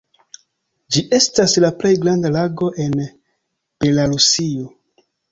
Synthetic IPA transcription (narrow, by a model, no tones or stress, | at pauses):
d͡ʒiʔe̞staslaple̞jɡɾandalaɡo̞ʔe̞n | b̥e̞laɾusio